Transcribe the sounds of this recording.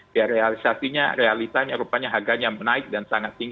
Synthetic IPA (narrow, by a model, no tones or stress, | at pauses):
daɾealisasiɲa̰realit̪aɲaɾupaɲaɦaɡanjaŋmənaɪk̚dansaŋat̪ːiŋɡ